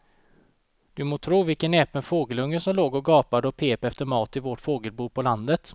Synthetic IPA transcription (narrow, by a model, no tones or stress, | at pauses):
d̪̥ɵmoːt̪ʰɾuːvɪlkənɛːpənfoːɡəlɵŋːəʂɔmloːɡɔɡɑːpad̪əɔpʰeːpɛft̪əɾmɑːt̪ɪvɔʈfoːɡəlbuːpʰɔland̪ət̪